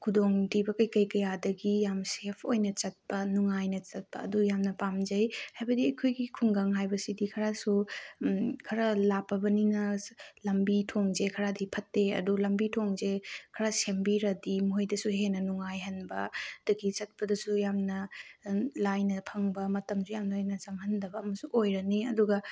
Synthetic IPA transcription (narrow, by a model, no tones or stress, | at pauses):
kʰudoŋtibɐkɐjkɐjkɐjadɐɡijamsepʰojnɐt͡ʃɐt̚pɐnuŋajnɐt͡ʃɐt̚pɐ̰ːdujamnɐpamd͡ʒɐjhajbɐdiɐjkʰojɡikʰuŋɡaŋɦajbɐsidikʰɐɾasu | kʰɐɾɐlapːɐbɐninɐlɐmbitʰoŋzekʰɐɾadipʰɐtːeɐ̰dulɐmbitʰoŋzekʰɐɾasembiɾɐdimuojdɐsuɦenɐnuŋajɦɐnbɐd̥ɐɡit͡ʃɐt̚pɐdɐsujamnɐ | lajnɐpʰɐŋbɐmɐtɐmsujamnɐnɐt͡ʃɐmhɐndɐbɐːmɐsuʔojɾɐniɐduɡɐ